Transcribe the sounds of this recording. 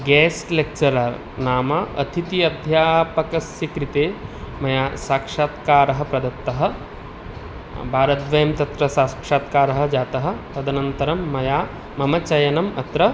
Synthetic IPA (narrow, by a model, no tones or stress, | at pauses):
ɡɛːsʈlek̚t͡ʃɐɾal | naːmaɐ̰t̪ʰit̪iɐd̪ʱjaːpɐkɐsjɐkɾit̪eːmɐjaːsaːkʂaːt̪kaːɾɐɦɐ̆pɾɐd̪ɐt̪ːɐɦɐ̆ | bʱaːɾɐt̪ʋɐjɐmt̪ɐt̪ɾɐsaːskʂaːt̪kaːɾɐɦɐ̆d͡ʒaːt̪ɐɦɐ̆ɾɐd̪ʱɐnɐnt̪ɐɾɐmːɐjaː | mɐmɐt͡ʃɐjɐnɐmɐt̪ɾɐ